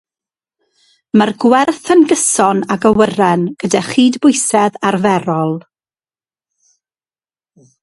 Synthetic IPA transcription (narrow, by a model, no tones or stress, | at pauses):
mərɡwɛrθənɡəsɔnaɡəwərɛnɡ̥ədaχiːdbʊjsɛðarvɛɾɔlˠ